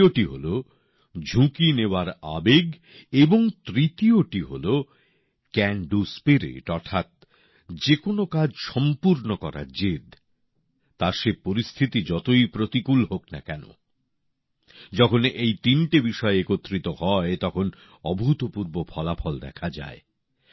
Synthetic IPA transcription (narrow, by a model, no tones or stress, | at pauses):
oʈiɦolo | d͡ʑʱũkineoaɾa̰beɡ | eboŋt̪ɾit̪ioʈiɦolo | kɛɳɖuspiɾḛʈɔɾt̪ʰat̪̚ | d͡ʑekonokad͡ʑʃɔmpuɾnokɔɾa̰d͡ʑed̪ | t̪aɾʃepoɾist̪ʰit̪id͡ʑɔt̪ojpɾot̪ikulɦokna̰kɛno̰ | d͡ʑɔkʰonejt̪inʈibiʃɔeekot̪ːɾit̪ohɔet̪ɔkʰon | ɔbʱut̪opuɾbopʰɔlafʰɔld̪ɛ̰kʰad͡ʑa̰e